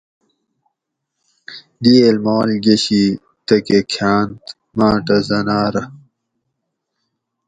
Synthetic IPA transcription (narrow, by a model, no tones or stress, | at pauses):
d̪ilmoːlɡeɕi | t̪ɐkekʰaːnt̪ | mãːʈɐzɐnaːɾɐ